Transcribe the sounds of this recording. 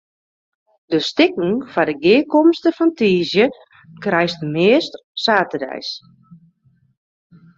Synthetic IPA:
dəstɪkŋ̩fadəɡɪːkɔmstəfɔntiːzjə | krɛjstmɪəst | saːtədɛ̰js

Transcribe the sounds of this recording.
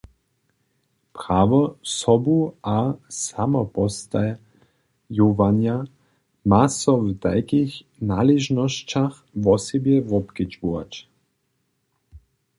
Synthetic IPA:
pɾaːvɔsɔbuasamɔpɔst̪a | juvanja | masɔvd̪a̰jkix | nalɛʒnɔʃt͡ʃax | vɔsɛbjɛvɔpkit͡ʃbua̰t͡ʃ

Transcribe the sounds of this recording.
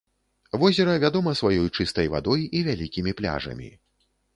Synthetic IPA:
vɔzʲɛɾɐvʲad̪ɔmɐsvajɔjt͡ʂɨst̪ɐjva̰d̪ɔjivʲalʲikʲimʲiplʲa̰ʐɐ̰mʲḭ

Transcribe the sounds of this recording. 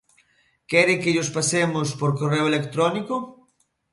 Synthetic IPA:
kɛɾɪkɪʎospasemʊspoɾkoreoelekt̪ɾɔniko

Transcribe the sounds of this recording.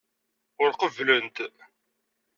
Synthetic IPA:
ʊɾqəvlənt̪

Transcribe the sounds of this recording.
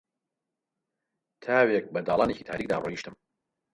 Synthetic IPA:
t̪ʰaːwek̚bɐd̪aːlˠaːneciːt̪ʰa̰ːɾiːk̚d̪a̰ːroːiːʃt̪ɨm

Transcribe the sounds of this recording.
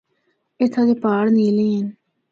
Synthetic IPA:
et̪ʰːãːd̪eːpaːɽniːlẽːɦən

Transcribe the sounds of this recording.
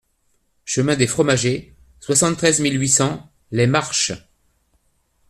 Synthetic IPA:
ʃəmɛ̃d̪efχɔmaʒe | swasɑ̃t̪t̪ːχɛzmilɥisɑ̃ | lemaʁʃ

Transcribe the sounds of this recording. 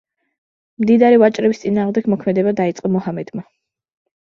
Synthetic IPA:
md̪id̪aɾivat͡ʃʼɾɛbist̪sʼinaːʁmd̪ɛɡmɔkʰmɛd̪ɛbad̪ait̪sʼqʼɔmɔhamɛd̪̥ma

